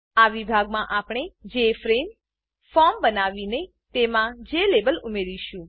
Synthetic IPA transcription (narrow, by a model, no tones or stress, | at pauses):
aʋibʱaɡmãʔapɽ̃ed͡ʒefɾem | fɔmbənaʋine | t̪emãd͡ʒelebəlʊmeɾiʃũ